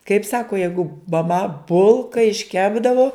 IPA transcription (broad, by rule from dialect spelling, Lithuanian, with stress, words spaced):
kɐɪp ˈsɑːkʊ jɛɪɡʊ mɐˈmɐ ˈbʊlˠkɐ ɪʃʲˈkʲæːbdɐʋʊ